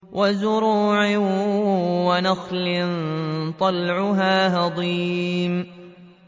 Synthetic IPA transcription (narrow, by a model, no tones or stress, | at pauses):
wʔazʊɾuːʕɪ | wanaxlɪnt̪ˤɑlʕʊɦaːhɑd̪ˤiːm